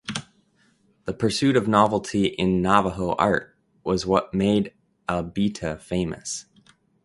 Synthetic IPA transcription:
ðəpʰə˞sʉɾʌvnɑvl̩ˠtʰiʔɪ̃nːɑvəɦoʊʔɑ̰ɹt̚ | wʌzwʌt̚meɪɾ | ælˠbiɾʰɨfẽɪ̃mɨ̰s

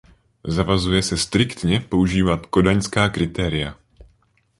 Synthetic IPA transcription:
zavazujɛsɛst̪ɾɪkt̪ɲɛpo̞uʒiːvat̪ko̞daɲskaːkɾɪt̪ɛːɾɪja

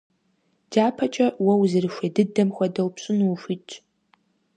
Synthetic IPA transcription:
d͡ʒaːpʰɐt͡ʃʼɐwɐwzɨrɨʃʷedɨdɐmxʷɐdɐwpɕʼʊnwuʃit͡ʃʼ

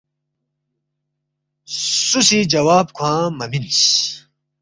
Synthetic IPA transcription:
susid͡ʑɐwaːbkʰwãːmɐmins

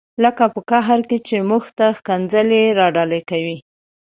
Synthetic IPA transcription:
ləkapəkaɦaɾket͡ʃemuxt̪axkand͡zəleɾɑɖɑlekawi

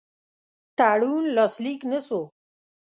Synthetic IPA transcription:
t̪aːɽunlɔsliknəso

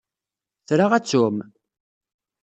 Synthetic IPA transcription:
θɾaʁæt͡sːʊm

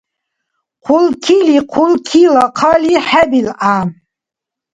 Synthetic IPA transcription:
qʰulkʰiliqʰulkʰilaqʰɑliħɛbilʔa

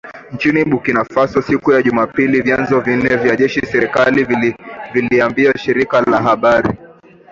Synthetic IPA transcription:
nt͡ʃiniɓukinafasusikujaʄumapilivjanzɔvin̩nɛvjaʄɛʃisɛɾikaliviliambiaʃiɾikalaɦaɓaɾḭ

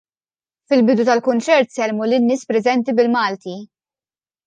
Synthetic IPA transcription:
fɪlbɪd̪ut̪ɐlkʊnt͡ʃɛɾt̪sɛlmulɪnːɪːspɾɛzɛnt̪ibɪlmɐːlt̪i

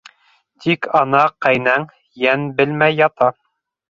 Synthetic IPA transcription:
t̪ʰikɑnɑqæjnæŋ | jænbɘ̆lmæjːɑt̪ɑ

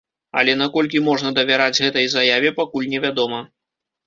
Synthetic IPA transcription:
ɐ̰lʲɛn̪akɔlʲkʲimɔʐnɐd̪ɐvʲaɾad͡zʲɣɛt̪ɐjzajavʲɛpakulʲnʲɛvʲad̪ɔmɐ

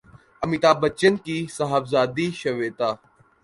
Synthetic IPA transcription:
əmit̪aːbət͡ʃənkiːsaɦafzaːd̪iːʃɐʋeːt̪aː

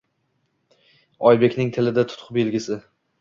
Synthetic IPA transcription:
ɒjbe̞kʲnɪŋt̪ʰɪlɪd̪at̪ʰʊ̥t̪qʰbelɡʲɪsɪ

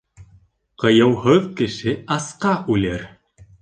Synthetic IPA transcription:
qɤ̆jɤ̆whɤðkɘ̆ʃɘɑsqɑʔʉlæɾ

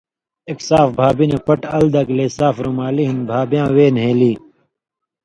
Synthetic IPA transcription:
eksaːfbʱaːbinepɐʈɐld̪ɐkleːsaːfɾumaːliɦinbʱaːbijãːweːnɦeːliː

